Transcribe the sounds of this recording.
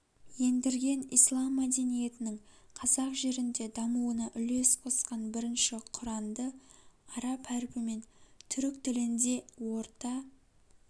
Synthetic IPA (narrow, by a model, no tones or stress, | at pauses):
je̞nd̪ɪɾɡʲe̞nḭjslˠɑmːæd̪e̞nije̞t̪ɪnɪŋ | qʰɑzɑqʒe̞ɾɪnd̪e̞d̪ɑmuwənɑʔʏle̞sqʰo̞sqɑnbɪɾɪnʃɪqʰʊɾɑnd̪əɑɾɑpæɾɪpɪme̞nt̪ʰʏɾkt̪ɪlɪnd̪e̞wo̞ɾt̪ɑ